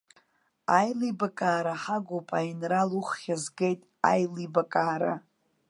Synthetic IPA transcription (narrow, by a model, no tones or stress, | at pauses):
ajlibakʼaːɾaħaɡʷopʼainraluχːʲazɡejtʼa̰jlibakʼaːɾa̰